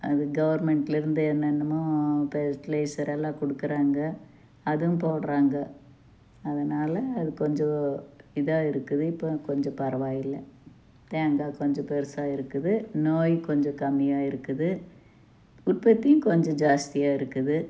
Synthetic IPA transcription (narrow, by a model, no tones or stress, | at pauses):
ɐ̰ðɯɡɐʋɐɾmɛɳʈlɪɾɯnd̪ɯɛnːɛnːɐmoːpɛʈlɐɪsɐɾɛlːãːkɔɽɯkːɯɾaːŋɡɐ | ɐðɯ̃mpoːɽɾaːŋɡɐ | ɐðɐnaːlɐːðɯkɔɲd͡ʒɔ̃ɪðaːɪɾɯkːɯðɯɪpːoːkɔɲd͡ʒɔ̃pɐɾɐʋaːjɪlːɐ | t̪eːŋɡaːkɔɲd͡ʒɔ̃pɛɾɯsaːɪɾɯkːɯðɯnoːjkɔɲd͡ʒɔ̃kɐmːɪjaːɪɾɯkːɯðɯ | ʊʈ̚pɐt̪ːɪjʊ̃kɔɲd͡ʒɔ̃d͡ʒaːst̪ɪjaːɪɾɯkːɯðɯ